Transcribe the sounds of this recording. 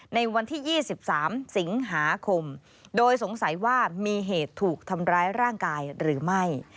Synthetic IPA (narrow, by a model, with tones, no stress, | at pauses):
na˧jwa˧nt̪ʰiː˥˩jiː˥˩si˨˩p̚saː˩˦msi˩˦ŋɦaː˩˦kʰo˧m | doː˧jso˩˦ŋsa˨˩˦jwaː˥˩miː˧ɦeː˨˩t̪ʰːuː˨˩k̚t̪ʰa˧mɾaː˦˥jɾaː˥˩ŋkaː˧jɾɯː˩˦ma˥˩j